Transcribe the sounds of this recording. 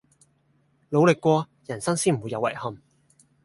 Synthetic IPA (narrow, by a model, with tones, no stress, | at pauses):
lo˨˧wlɪ˨kːʷɔː˧ | jɐ˨˩nsɐ˥ŋsiː˥nm̩˨˩uː˨˧jɐ˨˧wɐ˨˩jhɐ˨m